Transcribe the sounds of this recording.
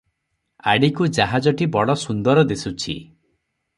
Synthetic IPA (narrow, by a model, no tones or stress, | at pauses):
a̰ɽikud͡ʒaɦad͡ʒɔʈibɔɽɔsund̪ɔɾɔd̪esut͡ʃʰḭ